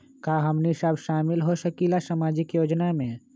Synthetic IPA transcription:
kaːɦəmnisabʃaːmɪlɦoʃəkilasamaːd͡ʒɪkjoːd͡ʒnamẽ

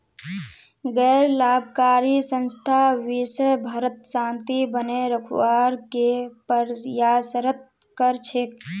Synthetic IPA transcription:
ɡɛɾlaːbʱkaːɾisə̃nst̪ʰaʋisəjbʱəɾət̪sãːnt̪ibəneɾəkʰwaɾkepəɾjasəɾət̪̚ | kəɾt͡ʃʰek̚

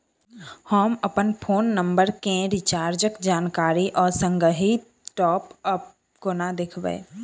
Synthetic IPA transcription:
hoːməpənpʰoːnːə̃mbəɾkẽɾɪt͡ʃaːɾd͡ʒəkd͡ʒaːnkaːɾiʔɔːɾsə̃ŋɡɾəɦi | ʈɔːpəp | konad̪ɪkʰʋḛː

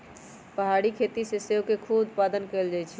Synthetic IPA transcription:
pəɦaɽikʰet̪isesekekʰubʊt̪t̪̚pad̪ənkɛld͡ʒajt͡ʃʰɛ

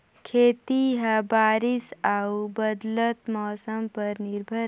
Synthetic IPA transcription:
kʰeːt̪iɦɐbaːɾisaubɐd̪lət̪mɔːsəmpəɾniɾbʱə

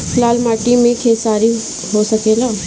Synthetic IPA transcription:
klaːlmaːʈimẽkʰeːsaːɾi | ɦosɐkeːlaː

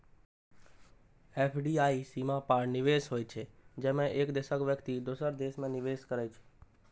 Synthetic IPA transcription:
eːpʰɖiaːisimapaːɾnɪʋeːsɦoːjt͡ʃʰed͡ʒɛːmẽʔeːkd̪esəkʋjəkt̪id̪osəɾd̪eːʃmẽnɪʋeːskəɾɛt͡ʃʰe̥

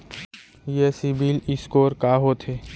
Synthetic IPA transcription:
jesibilɪskoːɾkaːɦoːt̪ʰɦeː

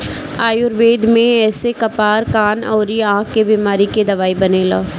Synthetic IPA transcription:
aːjʊɾʋeːd̪mẽɛːsekɐpaːɾkaːnɔ̰ːɾiãːkkebiːmaːɾiked̪ɐʋaːibɐneːlɔː

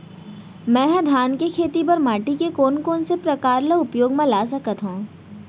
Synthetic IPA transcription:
mɛ̃ːɦd̪ʱjaːnkekʰeːt̪ibɐɾmaːʈikekoːnkoːnsepɾɐkaːɾleʊpjoːɡmẽlaːs̬ɐkət̪ɦõː

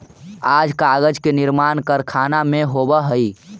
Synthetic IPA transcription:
ad͡ʒkaɡəd͡ʒkeniɾmankəɾkʰanameɦobəɦəi

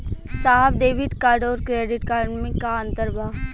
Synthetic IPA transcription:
saːbɖeːʋɪɖkaːɾɖoːɾkɾeːɖɪʈkaːɖmɪkːaə̃nt̪əɾbʱaːʋ

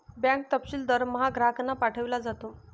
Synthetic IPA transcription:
bjãŋk̚t̪əpɕiːld̪əɾməɦaɡɾaknapaʈʰəʋlad͡zat̪o

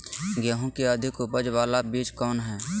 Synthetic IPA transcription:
ɡjaːɦõkeəd̪ʱɪkʊpəd͡ʒʋaːlabiːt͡ʃkɔːnɦɛː

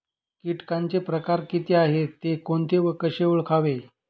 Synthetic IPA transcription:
kiʈkant͡sepɾəkaɾkit̪iaɦet̪ːekoɳt̪eʋəkəɕeuɭkʰaʋe

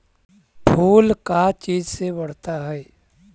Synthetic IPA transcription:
bʰʱuːlkat͡ʃiːd͡ʒsebəɽ̤t̪aɦɛɛ

